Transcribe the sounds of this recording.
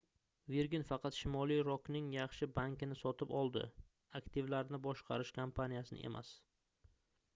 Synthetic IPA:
viɾɡʲɪnfɑqɑt̪ʃɪmɒlˠijɾɒknɪŋjɑχʃɪbaŋkʲɪnɪsɒt̪ʰɪpɒlˠd̪ɪ̰ | akt̪ʰɪvlaɾnɪbɒʃqʰɑ̰ɾɪʃkʰampʰanijasɪnɪ̰ʔḛmʔa̰s

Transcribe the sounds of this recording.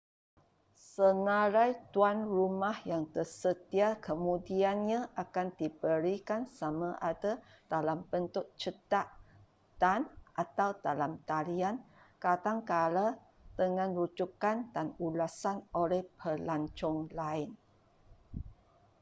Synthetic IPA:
sənaɾajt̪uanrumahjaŋt̪ərsət̪iakəmũdianɲãʔakandibəɾikansamãʔada | d̥alambənt̪ʊt̪̚t͡ʃət̪aʔ | d̥anʔat̪awdalamt̪aɾiankat̪aŋkala | d̪̥əŋãnɾud͡ʒukandanulasanʔolɛhpʰəlaɲt͡ʃɔŋlaɪn

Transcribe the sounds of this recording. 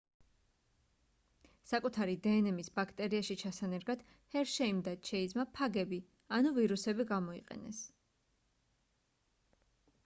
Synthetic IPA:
sakʼut̪ʰaɾid̪ɛːnɛmisbakʰt̪ʼɛɾiaʃit͡ʃʰasanɛɾɡad̪̥ | hɛɾʃɛimd̪at͡ʃʰɛid̪zmapʰaɡɛbi | anuviɾusɛbiɡamɔḭqʼɛ̰nɛ̰s

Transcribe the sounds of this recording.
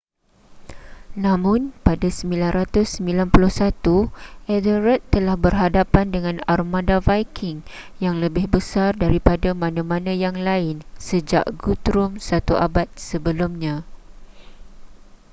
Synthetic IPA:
nãmʊ̃npadasəmbilanɾat̪ʊsːəmbilanpulʊhsat̪uʔɛdəɾət̪ːəlahbərɦadapandəŋãnarmãdavajkʰɪŋ | jaŋləbɪhbəsardaɾipadamãnãmãnãjaŋlaɪnsəd͡ʒa̰ʔɡut̪ɾʊmsat̪uʔabat̪̚səbəlumɲã

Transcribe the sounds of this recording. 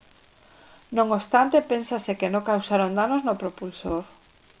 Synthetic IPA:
nõŋost̪ant̪epensasekenõŋkawsaɾond̪anoznopɾopulsoɾ

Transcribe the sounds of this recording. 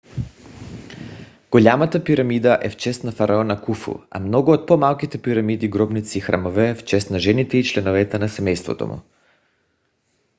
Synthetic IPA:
ɡ̥oʎʲamat̪apiɾamid̪aʔɛft͡ʃɛst̪nafaɾaɔnakufṵa̰mnɔɡuot̪̚pomalˠkit̪ɛpiɾamid̪iɡɾɔbnit̪siːxɾa̰movɛft͡ʃɛst̪naʒɛnit̪ɛit͡ʃlɛnovɛt̪ɛnasɛmɛjst̪vo̰t̪o̰mṵ

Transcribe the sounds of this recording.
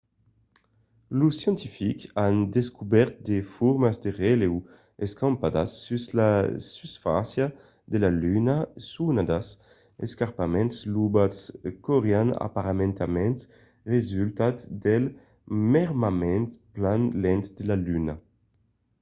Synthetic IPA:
lusjɛnt̪ifikand̪eskubɛɾt̪̚d̪efuɾmazd̪eʁɛlew | eskampad̪a̰sːyslasysfa̰sja | d̪elalynasunad̪as | eskaʁpamɛ̃ntslubaskɔʁeana̰paʁamẽnt̪amɛnt̪ | ʁezylt̪at̪d̪ɛl | mɛʁmamɛnt̪planlɛnt̪d̪elalyna

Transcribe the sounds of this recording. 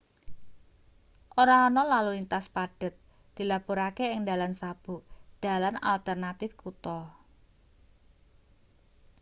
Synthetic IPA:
ʔoɾaɔnɔlaluint̪aspaɖ̥ə̤t̪̚ | d̪̥i̤lapuɾakeɪŋd̪a̤lansab̥ṳʔd̥a̤lana̰lt̪ərnat̪ɪfkut̪ɔ

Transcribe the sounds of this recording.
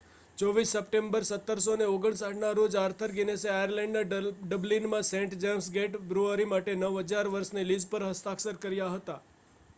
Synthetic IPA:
t͡ʃɔʋisːəpʈẽmbəɾsət̪ːəɾsoneoɡəɳsaʈnaɾod͡ʒaɾt̪ʰəɾɡineseajəɾlɛ̃ɳɖnaɖəblinmãsẽɳʈd͡ʒemsɡeʈbɾuəɾimaʈenəʋɦəd͡ʒaɾʋəɾsnelid͡ʒpəɾɦəst̪aksəɾkəɾjaɦət̪a

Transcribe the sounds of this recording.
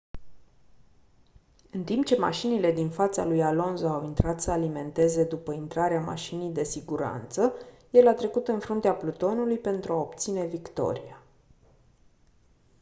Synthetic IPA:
ɨnt̪impt͡ʃe̞ma̰ʃinile̞d̪infat̪sa̰lujalo̞nzoawint̪ɾat̪səalime̞nt̪e̞ze̞d̪upəint̪ɾaɾeama̰ʃinijd̪e̞siɡuɾa̰nt̪sə | je̞lat̪ɾe̞kut̪ɨnfɾunt̪eaplut̪o̞nulujpe̞nt̪ɾuao̞pt̪sine̞vikt̪o̞̰ɾia

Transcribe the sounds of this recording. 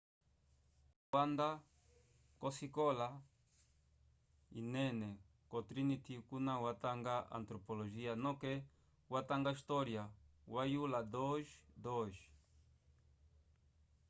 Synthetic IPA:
wand̪a | kosikola | ḭnene | kot̪ɾinit̪ikunãwat̪aŋɡaa̰nt̪ɾopoloʒianõke | wat̪aŋɡaist̪oɾjawajulad̪oʒd̪oʒ

